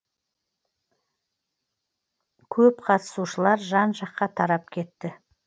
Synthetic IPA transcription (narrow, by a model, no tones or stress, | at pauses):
kʲʰɵpqʰɑt̪ə̥suʃəlˠɑɾʒɑnʒɑqːɑt̪ʰɑɾɑp̚kʲʰe̞t̪ːɪ